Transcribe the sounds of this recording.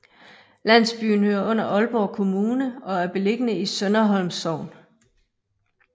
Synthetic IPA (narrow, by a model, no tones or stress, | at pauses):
læn̰sb̥y̰ːn̩høɐʔɔ̽n̰ɐʔɒ̽lb̥ɒ̰ːkʰo̝muːnəɒ̽æɐb̥e̝le̝ɡ̥ənəisœnɐɦɒ̽lmsɒʊ̰n